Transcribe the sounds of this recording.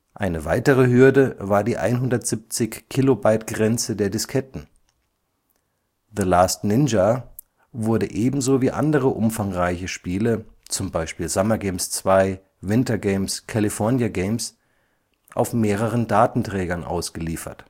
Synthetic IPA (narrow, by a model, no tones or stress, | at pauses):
ʔaɪnəvaɪtəʁ̞əɦʏɐdəvaːɐdiːʔa̰ɪnɦʊndɐtz̥ɪp̚t͡sɪçkʰːilobaɪtɡ̥ʁɛnt͡sədeːɐdɪskʰɛtn̩ | ðəlaːstnɪnd͡ʒa | vʊɐdəʔeːbm̩zoːviːʔa̰ndəʁəʔʊ̰mfaŋʁaɪçəʃpiːlət͡sʊmbaɪʃpiːlzamɐɡɛɪmst͡sv̥aɪ | vɪntɐɡeɪmskʰalifɔɐnjaɡeɪms | ʔa̰ʊfmeːʁəʁ̞əndaːtn̩tʁ̥ɛːɡɐnʔa̰ʊsɡ̥əliːfɐ̰t